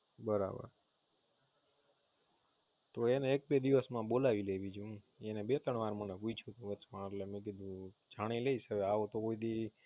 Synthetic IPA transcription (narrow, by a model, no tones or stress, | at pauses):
bəɾa̰bə̰ɾ | t̪oeneːk̚bed̪iʋəsmãbolaʋileʋid͡ʒũ | enebet̪əɳ̃ʋaɾməneɦuit͡ʃʰũt̪ũʋətt͡ʃmãət̪lemẽk̬id̪ʱũ | d͡ʒʱaɽ̃ileisəʋeaʋot̪okoid̪i